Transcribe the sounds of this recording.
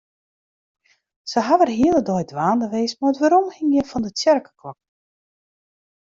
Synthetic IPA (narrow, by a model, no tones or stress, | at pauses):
səɦaʋərɦiəlˠədɔjdʋaːndəʋeːsmaətʋaːɾɔmxɪŋjəfɔndətjɛrkə̥klɔk̚